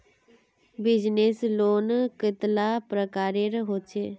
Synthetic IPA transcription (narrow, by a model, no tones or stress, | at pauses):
bɪd͡ʒnesloːnkɪt̪laːpɾəkaːɾeɾɦoːt͡ʃʰeː